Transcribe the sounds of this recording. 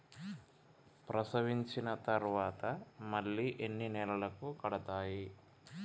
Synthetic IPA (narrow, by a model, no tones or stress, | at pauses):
pɾɐsɐʋiɲt͡ʃinɐt̪ɐɾʋaːt̪ɐmɐɭːiːʔenːinɛlɐlɐkukɐɽɐt̪aːji